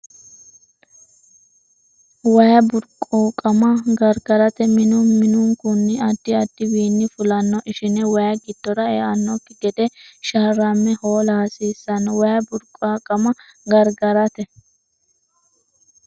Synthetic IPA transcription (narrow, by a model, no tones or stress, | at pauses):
wɐjɐbʊɾkʼɔkʼɐmɐɡɐɾɡɐɾɐt̪ɛmɪnʊmɪnʊŋkʊnːɪɐd̪ːɪɐd̪ːɪbiːnːɪfʊlɐnːɔʔɪʃɪnɛwɐjɐɡɪd̪̥ːɔɾɐɛ̰ːʔɐnːɔkːɪɡɛd̪ɛʃɐɾɐmːɛhoːlɐhɐsiːsːɐnwɐjɐbʊɾkʼakʼɐmɐɡɐɾɡɐɾɐt̪ɛ